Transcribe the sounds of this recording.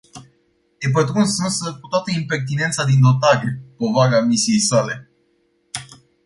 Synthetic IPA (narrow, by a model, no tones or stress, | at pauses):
ep̬ət̪ɾunsɨnsəkut̪wat̪əimpe̞rt̪ine̞nt̪sad̪ind̪o̞t̪aɾepo̞vaɾamisije̞jsale̞